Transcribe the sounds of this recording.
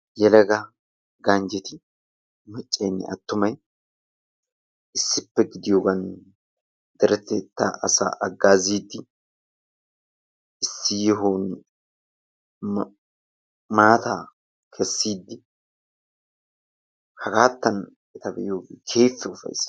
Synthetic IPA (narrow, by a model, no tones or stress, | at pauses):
jɛlɐɡɐ | ɡand͡ʒɛt̪ɪ | mɐt͡ʃʼːɐjnːɪ̰ɐt̪ːʊmɐj | ɪsːɪpːɛɡɪd̪ɪjoːɡɐn | d̪ɛɾɛt̪ːɛt̪ːa̰ʔɐsa̰ːʔɐɡːaːziːd̪ːɪ | ɪsːɪjɪɦoːn | maːt̪aː | kʰɛsːiːd̪ːɪ | hɐkaːt̪ːɐn | ɪt̪ɐbɛ̰ʔɪjoːɡɪkʰeːfːɛʊfɐ̰js